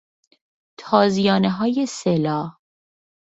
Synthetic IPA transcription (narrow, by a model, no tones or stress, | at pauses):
t̪ʰɒːzijɒːneɦɒːjeselɒːh